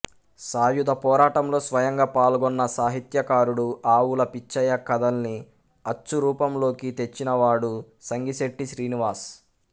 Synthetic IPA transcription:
saːjud̪ʱɐpɔːɾaːʈɐmlo̞ːsʋɐjɐŋɡaːpaːlɡɔnːɐsaːɦit̪jɐkaːɾuɽuaːwulɐpit͡ʃːɐjɐkɐd̪ɐlni | ɐt͡ʃːuɾuːpɐmlo̞ːkit̪e̞t͡ʃːinɐʋaːɽu | sɐŋɡiseʈːiʃɾiːniʋaːɾs

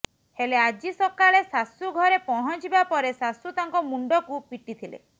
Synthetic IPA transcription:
helead͡ʒisɔkaɭesasuɡʱɔɾepɔɦɔt͡ʃibapɔɾesasut̪aŋkɔmuɳɖɔkupiʈit̪ʰilḛ

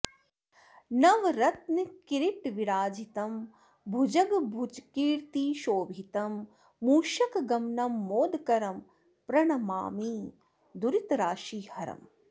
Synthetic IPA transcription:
nɐʋɾɐt̪̚nɨkiɾiʈʋiɾaːd͡ʒʱit̪ɐm | bʱud͡ʒɐɡbʱud͡ʒkiːɾt̪iːʃoːbʱit̪ɐmː | uːʃɐkɡɐmnɐmːoːd̪kɐɾɐm | pɾɐɳɐma̰ːmiː | d̪uɾit̪ɾaːʃiːhɐɾɐ̰m

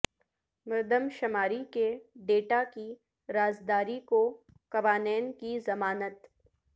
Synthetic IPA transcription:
mɐɾd̪ʱəmʃɐmaːɾikeɖeːʈaki | ɾaːzd̪aːɾiko | kɐʋaːnɛːnkizɐmaːnət̪

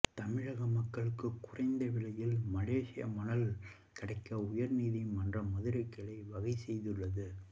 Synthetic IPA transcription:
t̪ɐmɪɻɐɣɐmɐkːɐɭɯkːɯkːʊrɐɪnd̪ɐʋɪɭɐjɪlmɐleːʂɪjɐ̰mɐnɐl | kɪɽɐɪkːɐʊjɐɾniːðimɐndrɐmɐðɯɾɐkːɐɭɐɪʋɐɣɐɪsɛjðɯɭːɐðɯ

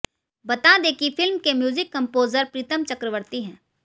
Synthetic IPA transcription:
bɐt̪ad̪eːkifɪlmkemjuːzɪkːɐ̃mpoːzəɾpɾiːt̪əmt͡ʃɐkɾəʋəɾt̪iɦɛ̃ː

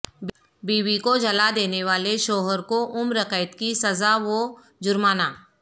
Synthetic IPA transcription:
biːʋikod͡ʒɐlad̪eːneʋaːleʃoːɦəɾkoʔʊmɾɐkəɪt̪kisɐzaʋo | d͡ʒʊɾmaːnaː

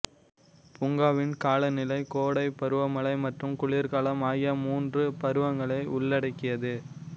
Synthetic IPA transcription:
pʊŋɡaːʋɪnkaːlɐnɪlɐɪkoːɽɐɪpɐɾɯʋɐmɐɭɐɪmɐʈrɯmkʊɭiːɾkaːlɐmaːjɐmuːndrɯpɐɾɯʋɐŋɡɐɭɐɪʔʊɭːɐɽɐɪkːɪjɐðɯ

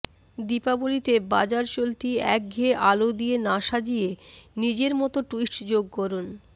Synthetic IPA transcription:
d̪ipabolit̪eba̰d͡ʑaɾt͡ɕolt̪iɛk̚ɡʱeʔalod̪ienaʃad͡ʑijenid͡ʑeɾmɔt̪oʈuisʈd͡ʑoɡ̚kɔɾun

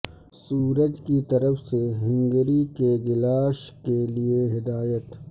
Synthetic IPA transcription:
suːɾəd͡ʒkit̪ɐɾəfseɦɪ̃ŋɡəɾikeɡɪlaːʃkelieɦɪd̪aːjət̪

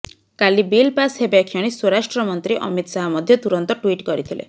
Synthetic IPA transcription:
kalibilpasɦebakʰjɔɽ̃iswɔɾasʈɾɔmɔnt̪ɾiʔɔ̰mit̪saɦɔmɔd̪ʱjɔt̪uɾɔnt̪ɔʈwiʈkɔɾit̪ʰilḛ

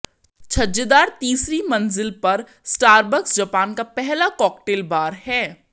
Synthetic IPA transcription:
t͡ʃʰɐd͡ʒəd̪aːɾt̪iːsɾimɐ̃nzɪlpɐɾ | sʈaːɾbəksd͡ʒɐpaːnkapɛɦlakɔːkʈeːlbaːɾhɛː

